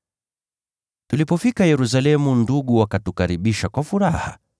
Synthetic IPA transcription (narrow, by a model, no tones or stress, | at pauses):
tulipɔfikajɛɾus̬alɛmunduɠuwakatukaɾiɓiʃakwafuɾaha̰